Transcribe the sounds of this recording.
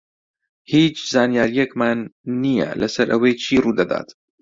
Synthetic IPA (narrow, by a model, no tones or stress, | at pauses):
hiːt͡ʃzaːnjaːɾijɛkmaːnːijɛ̰lɐsɐɾʔɐwejt͡ʃʰiːruːd̪ɐd̪a̰ːt̪